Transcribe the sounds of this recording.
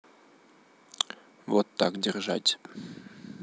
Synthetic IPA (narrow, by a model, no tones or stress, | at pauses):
vot̪ːɑ̰kdʲɪrʒa̰tʲ